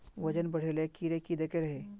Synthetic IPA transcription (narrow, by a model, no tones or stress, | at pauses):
ʋɐd͡ʒənbɐɽ̤eːlekiɾekid̪ekeɾɐɦeː